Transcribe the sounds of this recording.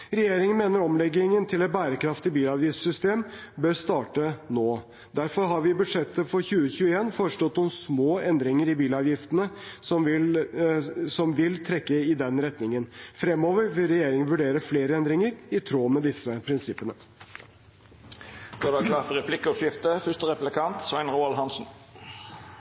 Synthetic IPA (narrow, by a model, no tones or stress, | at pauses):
ɾɛjeːɾɪŋənmeːnəɾɔmlɛɡɪŋənt̪ʰɪlɛɪt̪̚bæːɾəkʰɾɑft̪ɪbiːlɑːʋjɪft̪sʏst̪eːmbøːɾst̪ɑːʈənoː | d̪æɾfɔɾɦɑɾʋɪːbʉd̪ʂɛt̪ːəfɔɾçʉːəçʉːəeːnfoːɾəʂʈɔt̪ːɔmsmoːɛnd̪ɾɪŋəɾɪbiːlɑːʋjɪft̪ənəsɔmʋɪl | sɔmʋɪlt̪ʰɾɛkːəɪd̪ɛnɾɛt̪nɪŋənfɾɛmːoːʋəɾʋɪlɾɛjeːɾɪŋənʋʉɖeːɾəfleːɾəɛnd̪ɾɪŋəɾɪt̪ʰɾoːmɛd̪ɪsəpʰɾɪnsɪpːənə | d̪oːd̪æklɑːfʁɛpʰlɪkːəɔʂɪft̪əfœʂt̪əʁɛplɪkʰɑnt̪sʋæɪnɾuːɑlɦɑnsn̩